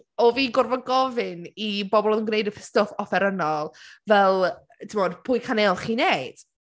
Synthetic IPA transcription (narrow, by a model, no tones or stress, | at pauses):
ɔviːɡʊrvɔɡɔvɪnibɔbɔlˠɔðənɡnejdəpʰə̥stɔfɔfɛɾənɔlˠvɛlˠ | tʰɪmoːdpʰʊːjkʰanelˠχiːneɨd̥